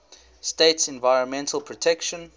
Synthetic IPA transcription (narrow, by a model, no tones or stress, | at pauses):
steɪtsɛ̃nvaɪɹə̃nmɛ̃ntʰəlˠpʰɹɔtʰɛkʃə̃n